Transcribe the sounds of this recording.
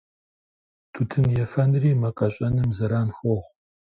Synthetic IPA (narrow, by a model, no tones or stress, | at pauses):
tʰutʰɨnjɛfɐnriːmɐqʼɐɕʼɐnɨmzɐɾaːnxoʁ